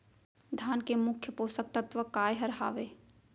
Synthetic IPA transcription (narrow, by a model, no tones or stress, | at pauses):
d̪ʱjaːnkemʊkʰjəpoːsək̚t̪ət̪ʋəkaːjɦəɾɦa̰ːʋeː